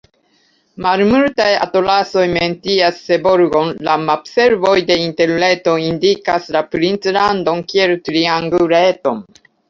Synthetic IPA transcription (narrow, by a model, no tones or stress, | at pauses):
malmultaja̰to̞laso̞jme̞ntiasːe̞boɾɡo̞nlamabse̞ɾvo̞jde̞inte̞ɾle̞to̞indikaslapɾint͡slando̞nkieltɾiaŋɡuɾeto̞̰n